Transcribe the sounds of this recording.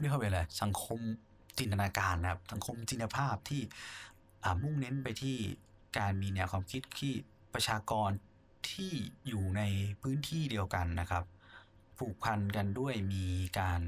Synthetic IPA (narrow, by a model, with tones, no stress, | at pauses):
mɯ˥˩kʰa˧˩pe˧˩lɛ˨˩sa˩˦ŋkʰo˧m | t͡ɕi˨nt̪a˧naː˧kaː˧n˧kʰa˦˥p̚sa˩˦ŋkʰo˧mt͡ɕi˧nːa˧pʰaː˥˩p̚t̪ʰiː˥˩ | ʔaː˨˩mu˥˩ŋne˦˥npa˧jt̪ʰiː˥˩ | kaː˧nmiː˧nɛː˧˩wkʰaː˧mkʰi˦˥t̪̚t̪ʰiː˥˩ | pɾa˧t͡ɕʰaː˧kɔː˧n | t̪ʰiː˥˩juː˨˩na˧jpʰɯː˦˥nt̪ʰiː˥˩di˧əwka˧nːa˦˥kʰa˦˥p̚ | pʰuː˨˩k̚pʰa˧nka˧ndu˥˩əjmiː˧kaː˧n